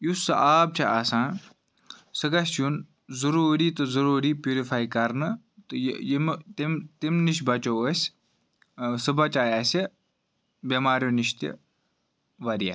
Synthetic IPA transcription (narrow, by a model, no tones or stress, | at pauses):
jusɨ̰ʔaːb̚t͡ʃʰɐʔaːsãːn | sɨɡɐsjun | zuɾuːɾiːt̪ɨzɐɾuːɾiːpjuːɾifaːjkɐɾnɨ | t̪ɨjjimt̪imt̪imniʃ̬bɐt͡ʃoəsʲ | sɨbɐt͡ʃaːjaːsʲe | bʲɐmaːɾjuniʃt̪ʲḭ | ʋɐɾija̰